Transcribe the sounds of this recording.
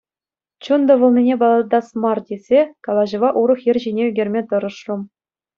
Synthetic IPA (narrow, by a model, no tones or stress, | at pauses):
t͡ɕund̪ɤ̆ʋɤ̆lˠnʲinʲebɑlˠɑd̪ɑsmɑrdʲez̥ʲekɑlˠɑʑɤ̆ʋɑʔuɾɤ̆χjɘ̆rʲʑinʲeyɡʲerʲmʲet̪ɤ̆ɾɤ̆ʂrŭm